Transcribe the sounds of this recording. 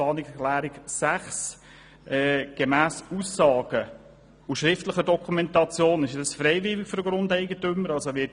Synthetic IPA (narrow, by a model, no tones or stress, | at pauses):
ɑːniksklæːɾiksæχs | ʔɛːɡ̥emæːsusːɑːɡ̥ə | uʃɾɪftləχədɔkχumɛntɑt͡sjoːnɪʃɛsfɾɛɪvɪlikfɔɾəɡɾʊndɛɪɡətømːəɾɑlsoʋɪ